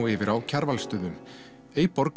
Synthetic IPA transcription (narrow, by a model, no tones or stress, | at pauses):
ɪːvɪɾʔawcʰaɾvalst̪ʏːðʏm | eːjpɔɾk